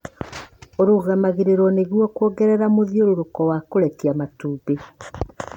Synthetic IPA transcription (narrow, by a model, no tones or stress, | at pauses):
oɾuɣamaɣeɾeɾɔneɣwɔkwoːɡɛɾɛɾamoðioɾoɾokɔwakoɾɛkiamatuːbe